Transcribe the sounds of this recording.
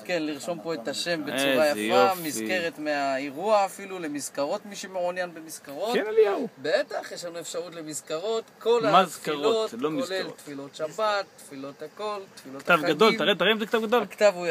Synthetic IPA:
kenliʁʃo̞mpo̞et̪aʃe̞mbet͡suʁajafamizke̞ʁet̪meaeʁuaːfilulemizkaʁo̞t̪miʃemeʁonjanbemizkaʁotkenalijaubeet̪aχjɛʃlanuefʃaʁut̪lemizkaʁo̞tkolmazkaʁoolomilelt̪filo̞t̪ʃabat̪ːfilo̞t̪ako̞lt̪filokttavɡad̪oltaʁet̪aʁemzekt̪avɡad̪olkt̪avuja

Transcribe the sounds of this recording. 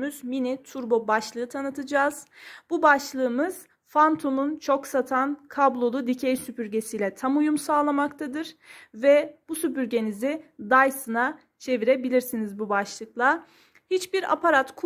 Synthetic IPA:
yz̥minit̪ʰuɾbo̞baʃlˠɯːt̪ʰanɯt̪ʰɯd͡ʒaːz̥bubaʃlˠɯːmɯz̥ | fant̪ʰomunt͡ʃʰo̞ksat̪ʰankʰablˠo̞lˠud̪icʰejsypyɾɟe̞sijlʲɛt̪ʰamujumsaːlˠamakt̪ʰad̪ɯɾ̥vɛb̥usypyɾɟe̞nizid̪ajsɯna | t͡ʃʰe̞viɾebilʲiɾsinizbubaʃlˠɯklˠa | hit͡ʃbiɾa̰pʰaɾat̪kʰ

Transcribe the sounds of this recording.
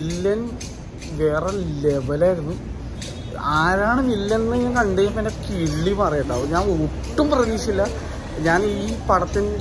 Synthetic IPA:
ilːɐn | ʋe̞ːreleʋɐlaːjɾunːɨ | aːɾaːɳɨnilːɐnnːɨɲaːnkɐɳɖejɐmpinːekiɭːimɐrɐjɐʈːaːʋuɲaːnuuʈːumprɐʋiːsilːɐ | ɲaːniːpɐɽɐt̪ːind

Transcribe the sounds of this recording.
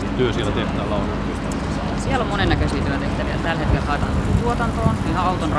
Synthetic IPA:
t̪yøsielæt̪eht̪æːlɑulɑkiɑ | sielːomonenːækøsiːt̪yøt̪eht̪æʋiæt̪ælhet̪̚kelsɑˑet̪ɑ̰nt̪ylyt̪uot̪ɑnt̪oːnihɑɑut̪onr

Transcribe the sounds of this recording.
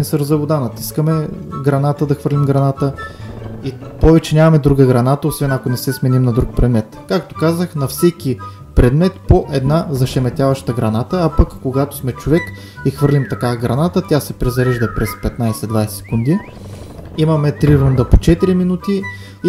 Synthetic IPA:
nsəɾzɐvod̪anɐt̪iskəmɛɡɾɐnat̪əd̪ɐxvɤɾlimɡɾɐnat̪ə | ipɔvɛt͡ʃɛnʲamɐmɛd̪ɾuɡəɡɾɐnat̪əosvɛnɐkonɛsɛsmɛnimnɐd̪ɾuk̚pɾɛd̪mɛt̪kak̚t̪o̥kazəxnɐfsɛki | pɾɛd̪mɛt̪poʔɛd̪nazɐʃɛmɛt̪ʲjavɐʃt̪əɡɾɐnat̪əːpəkːoɡat̪o̥smɛt͡ʃovɛk | ixvɤɾlʲimt̪ɐkaɡɾɐnat̪ət̪ʲjasɛpɾɛzɐɾiʒd̪əpɾɛspɛt̪najsɛd̪vajsɛ̥sɛ̥kund̪i | imɐmɛt̪ɾiɾund̪əpot͡ʃɛt̪iɾiminut̪i

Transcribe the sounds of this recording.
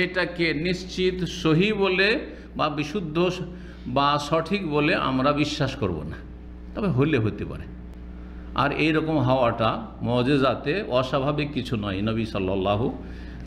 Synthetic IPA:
ʃejʈakenist͡ɕit̪soɦibole | babiʃud̪ʱːo | baʃɔʈʰikboleʔa̰mɾabiʃːaʃkoɾbo̰na̰ | t̪ɔbeɦojleɦojt̪epa̰ɾe | a̰ɾejɾɔkomɦawaʈamɔd͡ʑezat̪eɔʃabʱabikːit͡ɕʰunɔjnəbisɔlːɔlːaɦu

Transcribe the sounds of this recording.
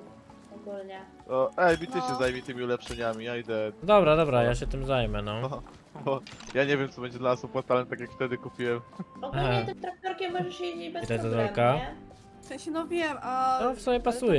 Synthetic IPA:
ɔɡulɲɛ | ɔʔɛjbʲit̪ɛɕɛzajmʲit̪ɘmʲiulɛpʂɛɲamʲiad̪ɛd̪ɔbɾad̪ɔbɾajaɕɛt̪ɘmzajmɛnɔ | ɔjaɲevʲjɛmt̪sɔbɛɲd͡ʑɛd̪lanasɔpwat̪alt̪akʲjakft̪ɛd̪ɘkupʲiwɛmɔɡaɦaɛt̪ɪmt̪ɾak̚t̪ɔɾkʲɛmːɔʐɛʂjeibɛt̪ajzazvalka | fsɛ̃ɕɛnɔvʲjɛmaɔfsɔbʲjɛpasujɛ

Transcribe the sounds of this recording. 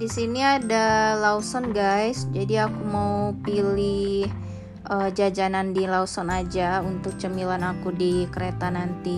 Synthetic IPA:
disiniadalausɔnɡajsd͡ʒadiakumaupilih | ʔəd͡ʒad͡ʒanandilausɔnad͡ʒaunt̪ʊk̚t͡ʃəmilanakudikəɾet̪anant̪i

